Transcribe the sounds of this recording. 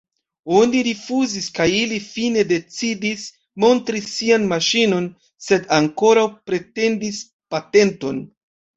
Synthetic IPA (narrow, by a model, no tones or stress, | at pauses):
o̞niɾifuziskajilifine̞de̞t͡sidis | mo̞ntɾisːianmaʃino̞n | se̞daŋko̞ɾawpɾe̞te̞ndis | pate̞nto̞n